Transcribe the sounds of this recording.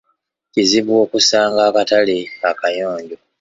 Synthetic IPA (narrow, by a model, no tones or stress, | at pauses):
ciziβwo̞ːkusaːŋɡaːkataleakajo̞ːɲɟo